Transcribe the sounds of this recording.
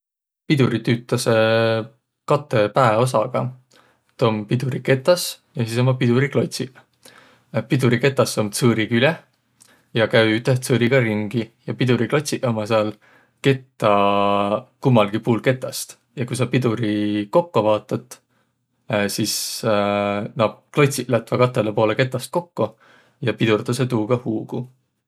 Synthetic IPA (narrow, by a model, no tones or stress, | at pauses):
pid̪̥uɾit̪yːt̪ːˑɑse | kɑt̪ːˑe̞pæeo̞s̬ɑɡ̥ɑ | t̪o̞mpid̪uɾike̞t̪ːˑɑs | jɑsis̬omːɑpid̪̥uɾiklo̞t̪ʲsi | pid̪̥uɾike̞t̪ːˑɑsːomt̪sɤːɾikylʲe | jɑkæyt̪eht̪sɤːɾiɡ̥ɑɾiŋɡ̥ijɑpid̪̥uɾiklo̞t̪ʲsiʔomɑseɑl | ke̞t̪ːˑɑ | kumːɑlɡ̥ipuːlke̞t̪ːˑɑst̪ | jɑkujsɑpid̪uɾiko̞kːovɑːt̪ːˑɑt̪ˑ | sis | nɑːp̚klo̞t̪ʲsiʔlæt̪vɑkɑt̪ːˑelepo̞ːleke̞t̪ːˑɑst̪̚ko̞kːo | jɑpid̪urt̪ɑset̪uːɡ̥ɑhuːɡ̥u